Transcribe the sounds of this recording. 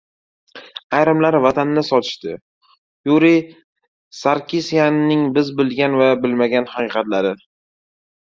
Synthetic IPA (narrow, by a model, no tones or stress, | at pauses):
ajɾɪmlaɾvat̪ʰanːɪsɒt̪ʰɪ̥ʃt̪ɪ | juɾi | saɾkʲisijanːɪŋbɪzbɪlɡʲanvabɪlmaɡʲanhɑqɨːqɑt̪laɾɪ